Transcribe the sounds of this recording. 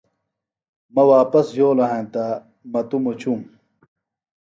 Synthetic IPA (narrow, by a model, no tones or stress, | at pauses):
mɐwaːpɐsjoːlɐɦẽːnt̪a | mɐt̪umot͡ɕʰum